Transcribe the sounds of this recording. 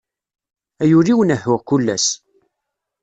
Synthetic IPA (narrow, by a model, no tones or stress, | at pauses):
æjuɾiwnəhːʊʁkulːæs